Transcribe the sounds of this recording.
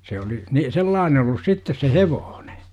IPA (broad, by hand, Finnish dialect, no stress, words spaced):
se oli ni selːɑːne olːus sitːes se heʋoːn̥e̥